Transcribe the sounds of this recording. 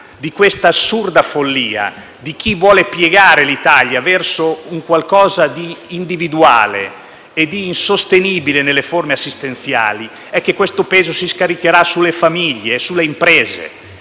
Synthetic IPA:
d̪ikwest̪asːurd̪afolːiːa̰ | d̪ik̟ivwɔːlepjeɡaːɾelit̪aʎjavɛrsouŋkwalkɔːzad̪iːnd̪ivid̪ua̰ːlḛ | ed̪iːnsost̪eniːbilenelːeformeasːist̪ent̪θja̰ːli | ɛkːekːwest̪opeːzosiskaɾikeɾasulefamiʎːeːsulːeimpɾɛːzḛ

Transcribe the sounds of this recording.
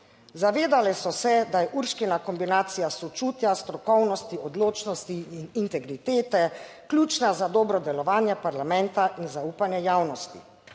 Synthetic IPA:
zaʋeːd̪alɛsɔsɛd̪ajɛʔuɾʃkinakɔmbinaːt̪sijasɔt͡ʃuːt̪jast̪ɾɔkɔwnɔst̪iɔd̪loːt͡ʃnɔst̪iːnint̪ɛɡɾit̪eːt̪ɛ | klʲuːt͡ʃnazad̪ɔːbɾɔd̪ɛlɔʋaːnjɛpaɾlamɛ̃nt̪aʔinzauːpanjɛjaːwnɔst̪ḭ

